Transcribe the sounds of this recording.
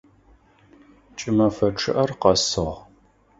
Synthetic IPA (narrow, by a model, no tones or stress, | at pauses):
t͡ʃʼɪmɐfɐʈ͡ʂʰɨʔɐrqɐsɨʁ